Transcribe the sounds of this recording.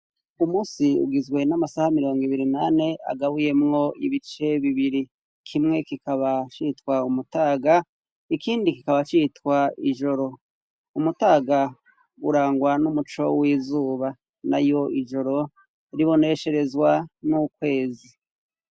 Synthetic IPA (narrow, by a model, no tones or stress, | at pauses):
umuːsiṵɡizɡwe̞namasahamiɾo̞ːŋɡiβiɾinane̞a̰ɡaβuje̞mŋo̞iβit͡ʃe̞βiβiɾi | kʰimŋe̞kikʰaβat͡ʃitwaumutaːɡa | ikʰiːndikikaβat͡ʃitwaiʒo̞ɾo̞ | umutaːɡa | uɾaːŋɡwanumut͡ʃo̞̰wiːzuːβa | na̰jo̞iʒo̞ɾo̞ | ɾiβo̞ne̞ʃe̞ɾe̞zwanukwe̞ːzi